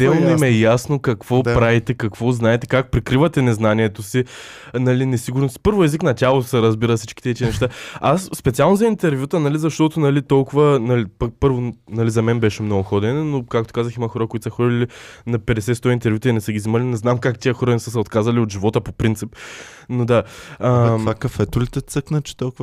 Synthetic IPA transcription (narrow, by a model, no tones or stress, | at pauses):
d̪ɛlˠnoimɛjasnokɐkvɔpɾavit̪ɛkɐkvɔznaɛt̪ɛkak̚pɾikɾivɐt̪ɛnɛznaniɛt̪osi | nɐlinɛsiɡʊɾnost̪i̥pɤɾvʊɛziknɐtʲalˠosɛɾɐzbiɾəfsi̥t͡ʃki̥t̪ɛt̪iənɛʃt̪aasːpɛt̪sialˠnozɐint̪ɛɾvʲjut̪ənɐlizɐʃt̪ɔt̪onɐlit̪ɔlˠkʊvɐnɐlipɐk̚pɤɾvonɐlizɐmɛnbɛʃɛmnɔɡʊxɔd̪ɛnɛnokakt̪o̥kazəximɐxɔɾəkoʊit̪sɐxɔd̪ilinɐpɛd̪ɛsɛt̪st̪ɔint̪ɛɾvʲjut̪inɛsəɡʲizimɐlʲinɛznamkakt̪ʲiəxɔɾɐnɛsəsɛot̪kazɐliot̪ʒivɔt̪əpopɾint̪sip | nod̪aaakɐfɛt̪ʊlit̪ɛt̪səknɐt͡ʃɛ̥t̪ɔlˠkʊv